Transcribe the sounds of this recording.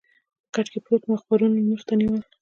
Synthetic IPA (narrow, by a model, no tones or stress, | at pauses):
pə̥kaʈ͡ʂkepɾot̪maxpaɾunmuxt̪aniwəl